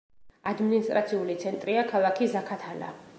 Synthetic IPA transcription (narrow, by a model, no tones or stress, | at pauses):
ad̪minist̪ʼɾat̪sʰiulit̪sʰɛnt̪ʼɾiakʰalˠakʰizakʰat̪ʰala̰